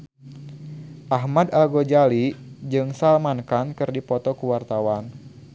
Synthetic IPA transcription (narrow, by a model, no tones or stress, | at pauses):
ʔaɦmadalɡod͡ʒalid͡ʒɨŋsalmankankɨrdipɔt̪ɔkuwart̪awan